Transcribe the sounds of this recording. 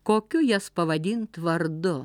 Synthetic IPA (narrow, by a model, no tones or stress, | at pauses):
koːkʲʊjɛspɐʋɐd̪ʲint̪ʋɐɾd̪ʊ